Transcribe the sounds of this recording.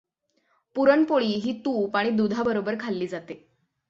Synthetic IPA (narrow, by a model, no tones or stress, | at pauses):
puɾəɳpoɭiːɦiːt̪uːpaɽ̃iːd̪ud̪ʱabəɾobəɾkʰalːiːd͡zat̪e